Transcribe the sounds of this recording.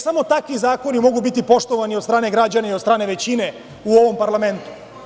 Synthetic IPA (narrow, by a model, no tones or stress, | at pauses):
samo̞t̪akʋizaːko̞nimo̞ɡubit̪ipo̞ʃt̪o̞ʋaniod̪st̪ɾaːne̞ɡɾad͡ʑanaiod̪st̪ɾaːne̞ʋe̞t͡ɕine | uo̞ʋo̞mpaɾlˠame̞nt̪u̥